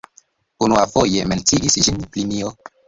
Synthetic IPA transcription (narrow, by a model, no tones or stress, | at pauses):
unuafojement͡siʔisd͡ʒinplimio